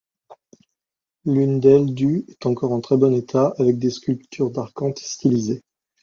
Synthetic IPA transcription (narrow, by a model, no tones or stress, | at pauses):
lynd̪ɛld̪yɛt̪ɑ̃kɔʁɑ̃t̪χɛbɔnet̪ʰaavɛk̚d̪eskʲylpt̪ʰyʁd̪aʁkɑ̃t̪st̪ilize